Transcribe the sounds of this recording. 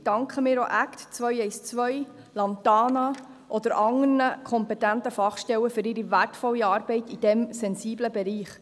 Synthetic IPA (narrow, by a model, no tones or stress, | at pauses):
d̥ɑŋkχəmiːɾoʔækt̪t͡sʋœjɛɪst͡sʋœj | lɑnt̪ɑːnɑ | ʔɔd̪əɾʔɑŋərnəkʰχɔmpɛtænt̪əfɑχʃtɛwəfɵɾɪɾiværtfɔlːiɑːɾbɛɪtid̥ɛmsɛnsiːbləbɛɾiːχ